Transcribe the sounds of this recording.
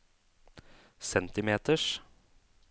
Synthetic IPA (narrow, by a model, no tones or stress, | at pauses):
sɛnt̪ɪmeːt̪əʂ